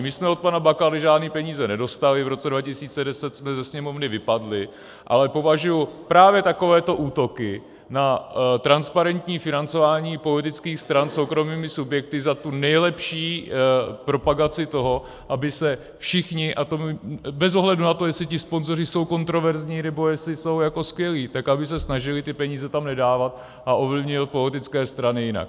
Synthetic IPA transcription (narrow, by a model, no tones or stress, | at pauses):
mɪsmɛo̞t̪̚panabakalɪʒaːdniːpɛɲiːzɛnɛdo̞st̪alɪvɾo̞t͡sɛdvacɪsiːt͡sɛdɛsɛt̪smɛzɛsɲɛmo̞vnɪvɪpadlɪ | ʔa̰lɛpo̞vaʒujupɾaːvjɛt̪ako̞vɛːt̪o̞ʔuːt̪o̞kɪ | nat̪ɾanspaɾɛnt̪ɲiːfɪnant͡so̞vaːɲiːpo̞lɪt̪ɪt͡skiːxst̪ɾanso̞wkɾo̞miːmɪsubjɛk̚t̪ɪzat̪unɛjlɛpʃiː | pɾo̞paɡat͡sɪt̪o̞ɦo̞ | ʔabɪsɛ | fʃɪxɲɪʔat̪omɪbɛzo̞ɦlɛdunat̪ojɛsɪt̪ɪspo̞nzo̞rɪso̞wko̞nt̪ɾo̞vɛɾzɲiːnɛbo̞jɛslɪso̞wjako̞skvjɛliːt̪akabɪs̬ɛsnaʒɪlɪt̪ɪpɛɲiːzɛt̪amnɛdaːvat̪̚ | ʔaʔo̞vlɪvɲɪvat̪̚po̞lɪt̪ɪt͡skɛːst̪ɾanɪjɪna̰k̚